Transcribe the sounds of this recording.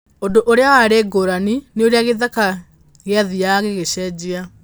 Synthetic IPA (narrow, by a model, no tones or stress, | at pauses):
ondoʔoɾeawaɾeːɡoɾanineoɾeaɣeðaka | ɣeaðiaɣeɣeɕɛd͡ʑea